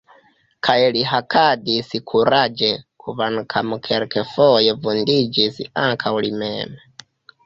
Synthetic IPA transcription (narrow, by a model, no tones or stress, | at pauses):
kʰaɛliɦakʰadisikʰuɾad͡ʒɛkʰuβanukʰamukʰɛɾkʰɛfɔjɛvundid͡ʒisḭaŋkʰaulimɛ̰ːmɛ